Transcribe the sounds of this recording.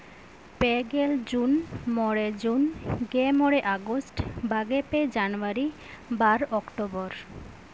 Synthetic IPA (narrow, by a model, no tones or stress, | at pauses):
peɡeld͡ʑunmɔɽed͡ʑunɡemɔɽeʔaɡosʈbaɡeped͡ʑanoaɾi | baɾɔkʈobɔɾ